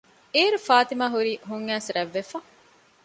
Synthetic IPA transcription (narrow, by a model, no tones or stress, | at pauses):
eːɾufaːt̪imaːɦuɾiːɦuŋːæːsɾɐʋːefɐ